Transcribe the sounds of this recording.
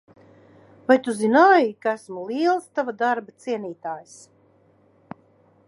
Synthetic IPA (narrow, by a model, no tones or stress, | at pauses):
vajt̪uzinaːjkaæsmulˠiɛlˠst̪avad̪aɾbat̪siɛniːt̪aːjs